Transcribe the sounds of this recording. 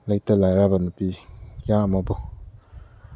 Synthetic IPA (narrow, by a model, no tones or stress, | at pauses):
lajtalajɾabanupijamabu